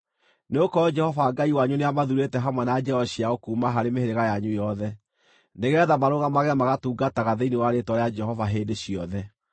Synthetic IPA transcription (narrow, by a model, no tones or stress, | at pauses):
neokɔɔd͡ʒɛhɔvaːɡaiwaɲuneamaðuɾetɛɦamwɛnad͡ʒɛɔɕiaɣokuːmaɦaɾemeheɾeɣajaɲujɔðɛ | neɣɛðamaɾoɣamaɣɛmaɣatuːɡataɣaðeinewaɾetwɔɾead͡ʒɛɦɔvaɦedeɕiɔðɛ